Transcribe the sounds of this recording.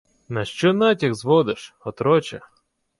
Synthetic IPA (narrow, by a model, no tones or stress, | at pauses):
nɐʃt͡ʃɔnɑtʲiɣzʋɔd̪ɪʃɔt̪ɾɔt͡ʃɛ̰